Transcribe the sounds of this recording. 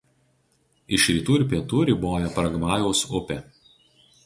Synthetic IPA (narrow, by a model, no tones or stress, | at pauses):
ɪʃɾʲiːt̪uːɪɾʲpʲiɛt̪uːɾʲiˑboːjɛpɾɐɡmɑːjɛʊsʊpʲe